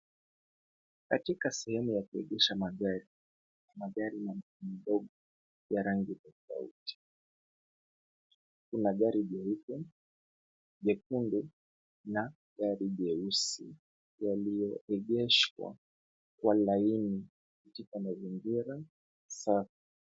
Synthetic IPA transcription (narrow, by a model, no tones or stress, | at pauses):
katikasɛhɛmujakuɛʄɛʃamaɠaɾi | namaɠaɾimanim̩ɗɔɠɔ | jaɾaŋɡitɔfa̰ṵti̥ | kunaɠaɾiʄɛukɔ | ʄɛkundu | na | ɠaɾiʄɛusi | jalijɔɛʄɛʃwa̰ | kwalaini | kutikamaziŋɡiɾa | saka